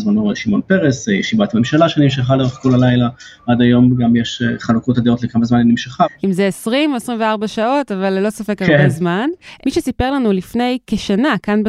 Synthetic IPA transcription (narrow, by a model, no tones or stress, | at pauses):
zmanoʁeʃimo̞npeʁeseʃibat̪amemʃalaʃenimʃ̬eχaloʁeχko̞lalajlaad̪ajo̞mɡamjeʃeχalukotad̪io̞tlekamazmaninimʃeχaimzeesʁimoesʁimveaʁbaʃao̞tavalːo̞safe̞kabezmanmiʃesipe̞ʁlanulifne̞jkeʃanakanbe